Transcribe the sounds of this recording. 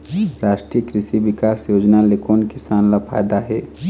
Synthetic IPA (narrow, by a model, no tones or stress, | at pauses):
ɾaːʃʈɾijəkɾɪʃiʋɪkaːsjoːd͡ʒnalekoːnkɪsaːnlapʰa̰ːjd̪aɦɛː